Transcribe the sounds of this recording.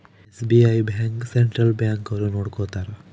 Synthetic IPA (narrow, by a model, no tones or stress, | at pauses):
esbiajbʱaŋkseɳʈɾɐlbjaːŋkɐʋɾunoːɽkot̪aːɾ